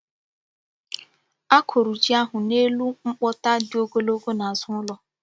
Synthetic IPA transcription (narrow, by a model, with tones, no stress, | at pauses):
a˦kʰo˨ɾu˨d͡ʒi˦a˦ɦʊ˨ne˦lu˦ŋ͡m̩˦k͡pɔ˦ta˦dɪ˦o˦ɡo˦lo˦ɡo˦na˨a˨zʊ˦ʊ˦lɔ˦